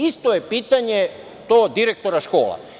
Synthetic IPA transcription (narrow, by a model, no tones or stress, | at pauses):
ist̪ojepiːt̪aɲe | t̪oːd̪iɾek̚t̪o̞ɾaʃko̞̰ːla̰